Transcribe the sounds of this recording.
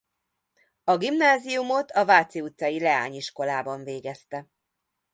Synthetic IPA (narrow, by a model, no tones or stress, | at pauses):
ɒɡimnaːzijumo̞t̪ʰɒvaːt̪siut̪sɒjilɛa̰ːɲiʃko̞laːbɒɱveːɡɛst̪ɛ